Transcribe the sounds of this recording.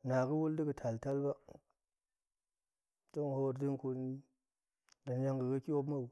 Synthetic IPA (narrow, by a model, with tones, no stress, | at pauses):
na˨ɡə˦wu˦ldi˦ɡə˨tʰa˨lta˦lba˦ | to˦ŋ˨ha˦wo˨ɾdi˦ŋko˨ni˦ | da˨n˦ja˦ŋɡə˨ɡa˦ki˦wo˦bma˦u˨